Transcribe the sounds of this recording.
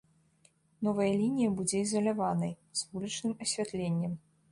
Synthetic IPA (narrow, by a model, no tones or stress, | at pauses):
nɔvɐjɐlʲinʲijɐbud͡zʲɛizɐlʲavanɐj | z̥vulʲit͡ʂnɨmɐsʲvʲat̪lʲenʲːɛm